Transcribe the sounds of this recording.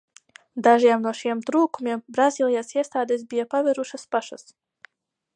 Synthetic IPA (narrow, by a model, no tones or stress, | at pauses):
d̪aʒiɛmnuɔʃiɛmt̪ɾuːkumʲiɛmbɾazʲiːlʲˠijasiɛst̪aːd̪esbijapavɛɾuʃaspaʃa̰s